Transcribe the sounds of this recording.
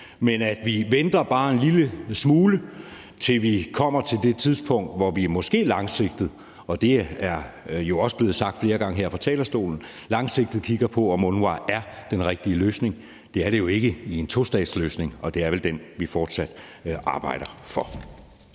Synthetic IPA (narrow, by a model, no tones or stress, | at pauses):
menæd̥ʋiʋend̥ɐb̥ɑ̈ːe̝nliləsmuːlə | t͡sʰe̝lʋikʰɒ̽m̰ɐt͡sʰe̝ld̥e̝t͡sʰiðˠspʰɔ̽ŋ̰d̥ʋɒʋiæmɒ̽sɡ̥e̝̰ːlɑ̈ŋse̝ɡ̥̚d̥ð̞̩ˠ | ɒ̽d̥e̝æɐjo̝ɒ̽səb̥le̝ːð̩ˠsɑ̈ɡ̥̚d̥fle̝ːɐɡ̥ɑ̈ŋəɦeɐ̰fɒt͡sʰɛ̰ːlɐsd̥o̝̰ːln̩ | lɑ̈ŋse̝ɡ̥̚d̥ð̩ˠkʰiɡ̥ɐpʰɒ̽ɒ̽mɔnʋɑ̰̈æɐd̥enʁɛɡ̥̚d̥iəløːsne̝ŋ | d̥e̝æɐɾ̥e̝jo̝e̝ɡ̥əie̝nt͡sʰo̝sd̥ɛ̰ːd̥sløːsne̝ŋɒ̽d̥e̝æɐʋeld̥enʋifɒːd̥sæd̥ʔɑ̈ːb̥ɑ̈ɪ̰ɾ̥ɐfɒ̽